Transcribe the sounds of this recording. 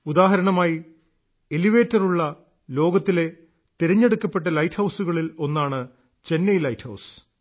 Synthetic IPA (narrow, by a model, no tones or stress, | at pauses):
ud̪aːɦɐɾɐɳɐmaːji | eliʋeːtːɐruɭːɐ | lo̞ːɡɐt̪ːile̞ | t̪iɾɐɲːe̞ɽukːɐpːe̞ʈːɐlɐjtʰhɐwsuɣɐɭilo̞nːaːɳɨ | t͡ɕe̞nːɐjlɐjtʰhɐwsɨ̥